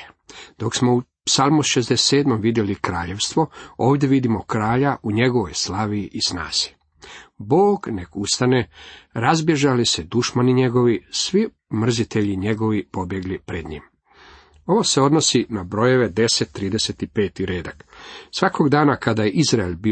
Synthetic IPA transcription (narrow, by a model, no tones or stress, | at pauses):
d̪̥o̞ksmo̞u | psalˠmusʃezd̪esseːd̪momʋid̪jelikɾaːʎe̞ʋst̪ʋo̞o̞ːʋd̪ʲje̞ʋid̪imokɾaːʎaʔuɲe̞ɡo̞ʋo̞̰jslaʋiʔːsna̰ːz̥i̥ | boːɡne̞kust̪aneɾazbje̞ʒalised̪uʃmaniɲe̞ɡo̞ʋisʋi | mr̩zit̪e̞ʎiɲe̞ɡo̞ʋipo̞bje̞ɡlipɾed̪ɲḭːm | o̞ʋo̞seo̞d̪no̞sinabɾo̞je̞ʋe̞d̪e̞set̪ːɾiːd̪eset̪ipe̞ːt̪iɾeːd̪aksʋako̞ɡd̪aːnakad̪ajeʔizɾaelbi